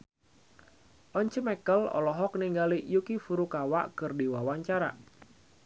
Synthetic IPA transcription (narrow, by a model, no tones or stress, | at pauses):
ʔɔɲt͡ʃəmɛkəlɔ̰lɔɦɔk̚niŋɡalijukifuɾukawaʔkɨrdiwawaɲt͡ʃaɾa̰